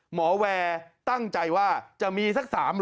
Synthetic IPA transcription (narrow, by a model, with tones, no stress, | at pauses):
mɔː˩˦wɛː˧t̪a˥˩ŋt͡ɕa˧jwaː˥˩t͡ɕa˨˩ʔmiː˧sa˦˥k̚saː˩˦m